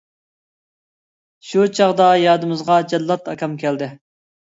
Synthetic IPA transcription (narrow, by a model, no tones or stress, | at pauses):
ʃut͡ʃʰɑʁd̪ɑjɑːd̪ɨmɨzʁɑd͡ʒɛd̪ːɑt̪ɑkʲɑmkʲʰɛld̪ɪ